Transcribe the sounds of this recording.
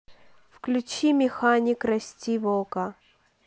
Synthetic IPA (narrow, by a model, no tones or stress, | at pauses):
fklʲʉt͡ɕimʲɪxanʲikrɐsʲtʲivokɐ